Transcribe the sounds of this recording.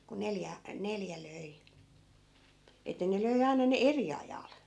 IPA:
ku neljæ neljæ løi etˑæ ne løi ɑi̯nɑ ne eri ɑjɑl

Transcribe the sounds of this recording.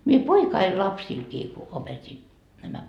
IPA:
mie poikɑi lɑpsilkiː ku opetʲi næmæ

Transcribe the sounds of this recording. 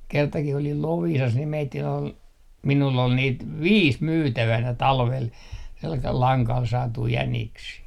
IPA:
kertɑkih olil loʋiːsɑs ni meitːin ol minulː ol niːt ʋiːs myːtæʋænæ tɑlʋel selkɑl lɑŋkɑl sɑːtui jæniksiː

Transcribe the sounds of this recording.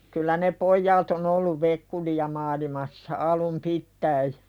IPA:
kylːæ ne pojːɑːt on olːuʋ ʋekːulijɑ mɑːlimɑsːɑ ɑlum pitːæi

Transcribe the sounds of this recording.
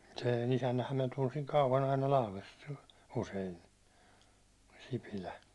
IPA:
seˑn isænːæhæm minæ tunsiŋ kɑuʋɑn ɑinɑ lɑhlest usein sipilæ

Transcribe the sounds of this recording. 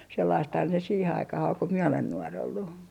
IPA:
selːɑisthɑn se siːhe ɑikɑh ol ko mie olen nuor olːu

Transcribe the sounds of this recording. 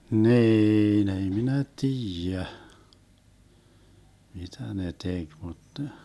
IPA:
niːn ei minæ tiːjæ mitæ ne tek mut ne

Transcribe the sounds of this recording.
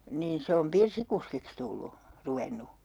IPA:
niːn se om pirsikuskiks tulːu ruʋenu

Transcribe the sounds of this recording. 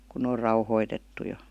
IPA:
kun n oːr rɑuhoitetːu jo

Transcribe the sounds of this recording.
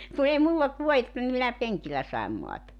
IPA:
ku ei mulː olt ʋuoetːɑ ni minæ peŋkilːæ sɑi̞m moɑtɑ

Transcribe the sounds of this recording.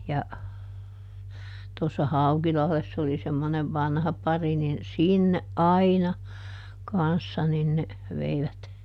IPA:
jɑ tosːɑ hɑukilɑhlesː oli semːoneʋ ʋɑnhɑ pɑri nin sinːeʔ ʔɑinɑ kɑnsːɑ nin ne ʋeiʋæt

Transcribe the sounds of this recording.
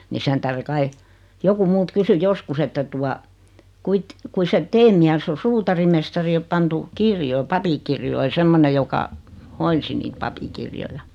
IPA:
ni sen tæhre kɑi joku mult kysy joskus etːæ tuɑ kuit kui set teː miæsː o suːtɑrimestɑri o pɑntu kirjoi pɑpikirjoi semːone jokɑ hoinsi niːt pɑpikirjojɑ

